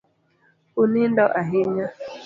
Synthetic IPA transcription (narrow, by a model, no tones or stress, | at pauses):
unɪn̩dɔʔaɦɪɲa